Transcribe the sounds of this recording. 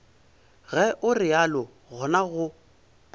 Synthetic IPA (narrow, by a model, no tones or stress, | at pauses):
ɣɛʔʊrɪalɔ | ɣʊnaɣʊ